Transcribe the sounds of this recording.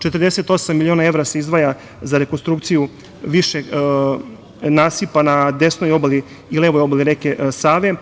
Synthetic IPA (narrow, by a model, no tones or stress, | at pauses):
t͡ʃe̞t̪əɾd̪ese̞t̪o̞samːilionae̞ʋɾaseizd̪ʋaja | zaɾe̞konst̪ɾuk̚t̪siju | ʋiʃe | naːsipanad̪e̞snojo̞baliː | leʋojobaliɾekesaːʋe̞